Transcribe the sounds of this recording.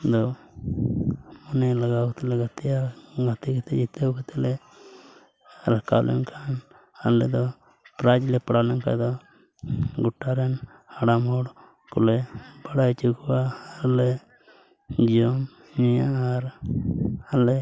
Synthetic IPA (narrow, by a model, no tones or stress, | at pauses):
d̪ɔ | mɔnelaɡakɔt̪ɛlɛɡat̪ijaɡat̪iɡat̪id͡ʒit̪ekɔt̪ɛle | ɾaka̰wlʔɛ̰nkʰan | alɛ̰d̪ɔ | pɾad͡ʒlɛpaɽalɛnka̰d̪ɔ | ɡuʈːaɾɛn | aɽamɔɽ | kṵlebaɽajt͡ʃukwaːle | d͡ʒiɔm | ɲijaaɾ | ale